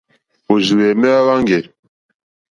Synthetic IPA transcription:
o˨ʒi˨wɛ˨mɛ˦a˦βa˦ŋɡɛ˨

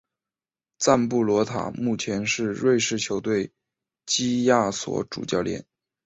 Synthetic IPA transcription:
t͡sa˥˧npu˥˩lwɔ˧˥t̪ʰa̰˨˩mu˥˩t͡ɕʰjɛ˧˥nʂɻ̩˥˧ɻwe˥˧ɪʂɻ̩˥˩t͡ɕʰjo˧˥ʊt̪we˥˩ɪ | t͡ɕi˥ja˥˩swɔ̰˧˥ʈ͡ʂṵ˨˩t͡ɕjɑ˥˩ʊljɛ̰˨˩˦n

